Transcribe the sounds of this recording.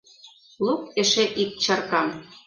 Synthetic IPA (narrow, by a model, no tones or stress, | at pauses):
luk̚eʃeʔik̚t͡ɕɑrkɑm